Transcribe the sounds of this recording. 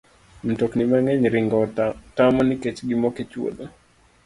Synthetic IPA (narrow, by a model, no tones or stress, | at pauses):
m̩toknimaŋɛɲɾiŋɡɔtamɔniket͡ʃɡimɔket͡ʃwo̰ɗo